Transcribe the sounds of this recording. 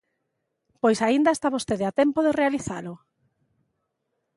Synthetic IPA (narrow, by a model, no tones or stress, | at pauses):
pojsaind̪aest̪aβost̪eðeat̪ɛmpoðerealiθalʊ